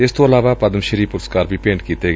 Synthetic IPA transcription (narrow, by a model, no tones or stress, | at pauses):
ɪst̪oːəlaːʋaːpəd̪əmʃəɾiːpʊɾəskaːɾbʱiːpẽːɳʈkiːt̪eːɡ